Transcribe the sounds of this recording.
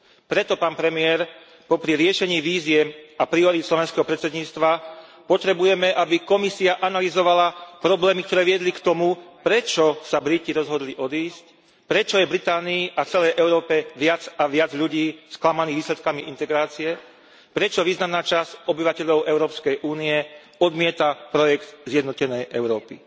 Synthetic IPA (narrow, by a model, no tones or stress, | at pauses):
pɾɛt̪ɔpaːnpɾɛmiɛɾ | pɔpɾiɾɪɛʃɛɲiːʋiːzɪɛapɾiɔɾit̪slɔʋɛnskɛɦɔpɾɛt̪t͡sɛd̪ɲiːt͡st̪ʋa | pɔt̪ɾɛbujɛmɛʔabikɔmisiaʔanalizɔʋalapɾɔblɛːmik̚t̪ɔɾɛːʋɪɛd̪likt̪ɔmupɾɛt͡ʃɔsabɾiciɾɔzɦɔd̪liʔɔd̪iːsc | pɾɛt͡ʃɔjɛbɾit̪aːniːʔaft͡sɛlɛjʔɛʊɾɔːpɛʋɪad͡zaʋɪad͡zʎuɟiːsklamaniːɣʋiːslɛt̪̚kamiʔint̪ɛɡɾaːt͡siɛ | pɾɛt͡ʃɔʋiːznamnaːt͡ʃasɔbiʋacɛʎɔʊʔɛʊɾɔːpskɛjʔuːniɛ | ɔd̪mɪɛt̪apɾɔjɛkt̪zjɛd̪nɔcɛnɛjʔɛʊɾɔːpḭ